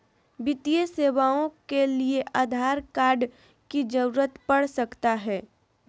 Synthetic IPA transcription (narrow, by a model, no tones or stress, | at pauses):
bɪt̪ijəseːʋaːõkelieʔaːd̪ʱaːɾkaːɾɖ | kid͡ʒɐɾuɾət̪pɐɽsɐkt̪aɦɛː